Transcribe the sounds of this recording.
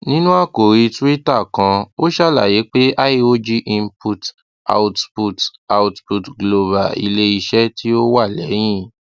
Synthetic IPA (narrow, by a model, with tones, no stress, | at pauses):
nĩ˦nũ˦a˦˨ko˨ɾi˧tu˦i˦ta˦˨kã˧o˦ʃa˦˨la˦˨je˨˦k͡pe˦a˦i˦o˦d͡ʒi˦ʔi˦˧m̩˦pu˧t | a̰˨u˧tpu˧ta˨u˧tpu˨tɡlo˧ba˨ḭ˧le˦i˧ʃɛ˦ti˦o˦wa˦˨lɛ˨˦j̃ĩ˦˨